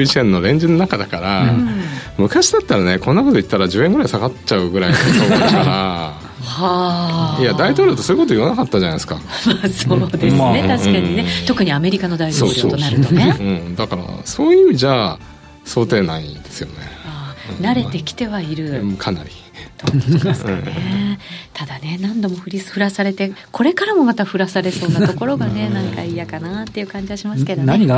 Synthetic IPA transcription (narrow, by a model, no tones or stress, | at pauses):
it͡ɕiẽnnːo̞ɾẽ̞ɲ̟d͡ʑɨnonakad̪akaɾa | mɯ̟kaɕid̪at̪ːaɾane̞kõ̞nːako̞t̪o̞it̪ːaɾad͡ʑɨ̟ːẽ̞ŋɡɯɾaisaɡatt͡ɕaɯɡɯ̟ɾaioːkaɾa | hajadt̪ait̪o̞ːɾʲjo̞ːt̪osoːi̟ko̞t̪o̞iβanakat̪ːad͡ʑanajesɨ̥ka̰masod̪esnet̪aɕĩkaɲinet̪o̞kɯ̟ɲ̟iame̞ɾʲikano̞d̪aitsooːɾot̪onaɾɯt̪oneɯ̟̃ːɴd̪akaɾa̰so̞ːjɯ̟ːʑaː | so̞ːt̪e̞ːnaḭd̪e̞sɨjo̞neaːnaɾe̞t̪e̞kʲi̥t̪e̞βaiɾɯ̟kʰana̰ɾʲi | t̪oeskanet̪ʰad̪ane̞nãnd̪o̞mo̞ɸɯ̟ɾʲisɨ̥ɸɯ̟ɾasaɾe̞t̪e̞kʰo̞ɾe̞kaɾamo̞mat̪aɸɯ̟ɾasaɾe̞so̞ːnat̪o̞ko̞ɾo̞ɡane̞nãŋkaiːjakanat̪ːe̞iɯ̟kãɲ̟d͡ʑiβaɕimaɨ̥ke̞d̪onɲiɡ